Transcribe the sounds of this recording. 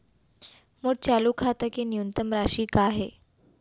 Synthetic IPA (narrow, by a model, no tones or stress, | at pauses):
məɽ̚t͡ɕalukʰat̪əkenijunt̪əmɾaɕiːkaɦe